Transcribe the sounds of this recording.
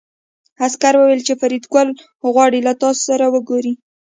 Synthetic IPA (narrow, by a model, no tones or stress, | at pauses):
askaɾwəwelt͡ʃefaɾid̪ɡal | ɣwɑɽilat̪ɑso̥saɾawəɡoɾi